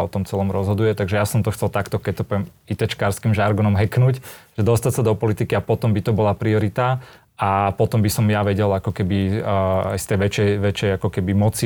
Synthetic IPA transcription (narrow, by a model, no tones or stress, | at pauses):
ɔt̪ɔmt͡sɛlɔmɾɔzɦɔd̪ujɛt̪aɡʒɛjasɔmt̪ɔxt͡sɛlˠt̪akt̪ɔkɛc̚t̪ɔpɔɛmit̪ɛt͡ʃkaːɾskimʒaɾɡɔnɔmɦɛknucʒ̥ɛd̪ɔst̪acsad̪ɔpɔlit̪ikiapɔt̪ɔmbit̪ɔbɔlapɾiɔɾit̪a | apɔt̪ɔmbisɔmjaʋɛɟɛlakɔkɛbi | a̰jst̪ɛjʋɛt͡ʃɛjʋɛt͡ʃɛjakɔkɛbimɔt͡si